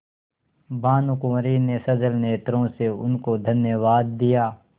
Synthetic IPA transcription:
baːnʊkʊmɾinesɐd͡ʒəlneːt̪ɾõseʊnkod̪ʱɐnjəʋaːd̪ːijaː

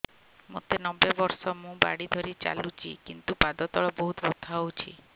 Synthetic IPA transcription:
mo̰t̪enɔbebɔɾsɔmũba̰ɽid̪ʱɔɾit͡ʃa̰lut͡ʃʰḭkint̪upad̪ɔt̪ɔɭɔbɔɦut̪bɔt̪ʰawt͡ʃʰḭ

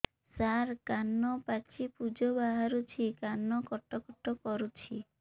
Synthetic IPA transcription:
saɾkanːɔpat͡ʃipud͡ʒɔbaɦaɾut͡ʃʰikanːɔkɔʈːɔkɔʈːɔkɔɾut͡ʃʰi

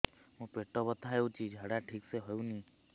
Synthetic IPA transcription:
ɦũpɾeʈɔbət̪ʰaɦewt͡ʃʰid͡ʒʱaɽaʈʰikseɦɔjũnĩ

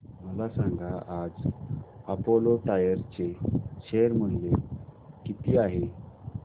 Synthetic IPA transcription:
məlasãŋɡʱaʔad͡z | apoloʈajəɾt͡seɕeɾm̤əɳd͡ʑekit̪iːaɦe

